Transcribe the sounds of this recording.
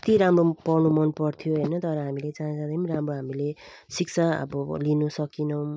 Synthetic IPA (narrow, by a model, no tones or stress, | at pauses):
t̪iɾamropʌrnumʌnpʌrt̪ʰijoɦʌjnʌt̪ʌɾʌɦamilet͡saɦĩd͡zãd̪ʌmiɾamroɦamile | sik̚t͡sʰaʌ̰bʌlinusʌkinʌw̃